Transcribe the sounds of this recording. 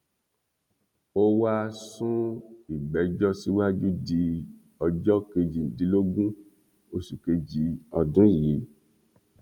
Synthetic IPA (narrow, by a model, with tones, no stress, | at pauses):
o˦wa˦sũ˦i˨ɡ͡bɛ˨˦d͡ʒɔ˦si˨˦wa˦d͡ʒu˦di˧ | ɔ˧d͡ʒɔ˦ke˧d͡ʒĩ˨n̩˨di˨˦lo˦ɡũ˦ | o˧su˨ke˧d͡ʒi˨˦ɔ˧dũ˨˦˨ji˨˦